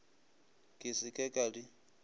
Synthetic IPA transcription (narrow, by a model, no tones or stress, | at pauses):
kʼɪsɪkʼɛkʼali